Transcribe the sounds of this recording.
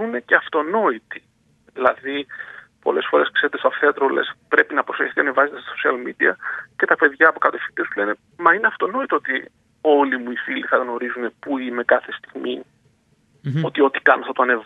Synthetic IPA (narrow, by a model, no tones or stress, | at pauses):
une̞ceɐft̪o̞no̞it̪i̥ | ðilɐðipo̞̰le̞sfo̞ɾe̞skse̞ɾet̪esɐft̪eɐt̪ɾole̞̰spɾe̞pinɐpɾoseç̥θiɐnevɐzet̪est̪sosiɐlmid̪iɐce̞t̪ɐpe̞ðjʝɐːpokɐt̪ofi̥t̪iesule̞ne | mɐineɐft̪o̞no̞it̪oo̞t̪i | o̞limuifiliθɐɣno̞ɾizune̞puime̞kɐθe̞st̪iɣmi | o̞t̪io̞t̪i̥kɐnoθɐt̪oɐnev